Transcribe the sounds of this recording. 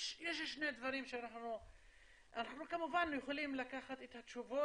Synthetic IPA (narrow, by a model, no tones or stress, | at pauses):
ʃjeʃʃned̪vaʁimʃeanaχnu | ʔanaχnukamuvanjeχolimlakaχat̪et̪hat̪ʃuvo